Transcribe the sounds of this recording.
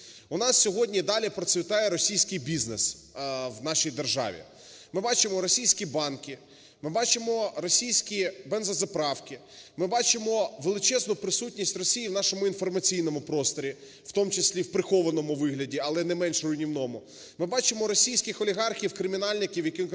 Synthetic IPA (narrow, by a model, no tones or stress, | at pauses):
ʊnɑssʲɔɦɔdʲnʲid̪ɑlʲipɾɔsʲʋʲɪt̪ɑjɛɾɔsʲijsʲkɪjbʲiznes | wnɑʃijd̪erʒɑ̰ʋʲḭ | mɪbɑt͡ʃɪmɔɾɔsʲijsʲkʲibɑnkɪ | mɪbɑt͡ʃɪmɔɾɔsʲijsʲkʲibɛnzɐzɐpɾɑwkɪ | mɪbɑt͡ʃɪmɔʋelˠɪt͡ʃɛznʊpɾɪsutʲnʲisʲtʲrɔsʲijiwn̪ɑʃɔmʊinfɔrmɐt͡sʲijnɔmʊpɾɔst̪ɔɾʲi | w̥t̪ɔmt͡ʃɪsʲlʲiwpɾɪxɔʋɐnɔmʊʋɪɦlʲɐdʲiɐlˠɛnɛmɛnʃrʊjnʲiwnɔmʊ | mɪbɑt͡ʃɪmɔɾɔsʲijsʲkʲɪxɔlʲiɦɑrxʲiwkɾɪmʲinɑlʲnɪkʲiwjɐkɪ